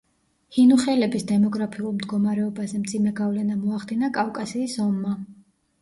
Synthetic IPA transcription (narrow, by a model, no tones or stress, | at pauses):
hinuχɛlɛbisd̪ɛmɔɡɾapʰiulˠmd̪ɡɔmaɾɛɔbazɛmt̪zʰimɛɡavlɛnamɔaχd̪inakʼafkʼasiːsɔmːa